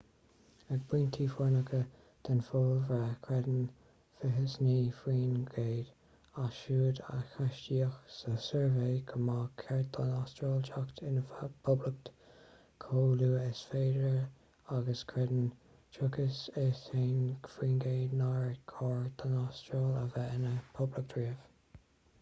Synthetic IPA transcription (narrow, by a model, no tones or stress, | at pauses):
əb̥wiːnt̪ʰiːfɔɹnəkʰə | d̪̥anfɔːlvakʰɹɛd̪ən | fɪɦəsniːfɹiːnɡeːd̪̥ | aʃuːd̪a̰xaʃtiəxsəsɛɹveːɡʰəmaːkʰɛɹt̪ʰanastɾɔːlt͡ʃakt̪ʰɪnəfapʰʊblək̚t̪ | kʰoːluːɪsfeːdəɹ | aɡəskʰɹɛd̪ən | t͡ʃʰʊkəsɪseːnfɹiːnɡeːdnaɹkʰɔːɹd̪̥ənastɾɔːləvɛɪnəpʰʊblɪk̚d̪ɹiːəv̥